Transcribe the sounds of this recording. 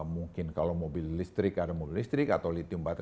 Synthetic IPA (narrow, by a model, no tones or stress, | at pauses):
muŋkɪnkalawmobɪlːist̪ɾɪkaɾmolist̪ɾɪkat̪awlit̪iumbat̪